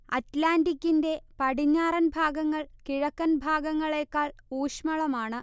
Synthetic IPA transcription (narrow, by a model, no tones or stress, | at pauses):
ɐtlaːndikʲːinde̞pɐɽiɲːaːrɐnbʱaːɡɐŋːɐɭkiɻɐkːɐnbʱaːɡɐŋːɐɭeːkːaːɭuːʂmɐɭɐmaːɳɨ